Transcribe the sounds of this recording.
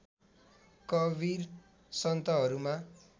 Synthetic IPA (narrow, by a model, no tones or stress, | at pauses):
kʌbir | sʌnt̪ʌɦʌɾuma